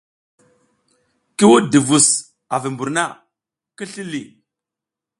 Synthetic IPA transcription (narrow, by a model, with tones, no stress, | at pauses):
ki˦wu˦di˨vu˨s | a˨vi˨mbu˨ɾna˦˨ | ki˦ɬi˦li˨